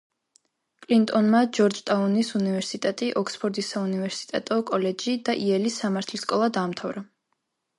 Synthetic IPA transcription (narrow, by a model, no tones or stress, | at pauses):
kʼlint̪ʼɔnmad͡ʒɔɾd͡ʒt̪ʼaunisunivɛɾsit̪ʼɛt̪ʼiʔɔkspʰɔɾd̪isaunivɛɾsi̥t̪ʼɛt̪ʼɔkʼɔlɛd͡ʒid̪aʔiɛlisːamaɾt̪ʰliskʼɔlˠad̪aːmt̪ʰavɾa